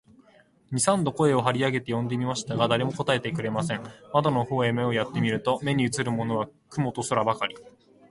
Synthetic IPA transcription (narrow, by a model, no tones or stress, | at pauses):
ɲ̟isãnd̪o̞ko̞e̞o̞ɦaɾʲiaɡe̞t̪e̞jõ̞nd̪e̞mʲimaɕi̥t̪aɡad̪aɾe̞mo̞ko̞t̪ae̞t̪e̞kɯ̟ɾe̞masẽ̞ŋmad̪ono̞ho̞ːe̞me̞o̞jat̪ːe̞mʲiɾɯ̟t̪o̞me̞ɲ̟iɯ̟t͡sɨɾɯ̟mo̞no̞β̞akɯ̟mo̞t̪o̞soɾabakaɾʲi